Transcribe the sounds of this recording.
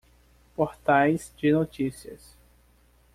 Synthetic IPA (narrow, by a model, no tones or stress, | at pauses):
poɾt̪ajzd͡ʒɪnot͡ʃisiɐ̰s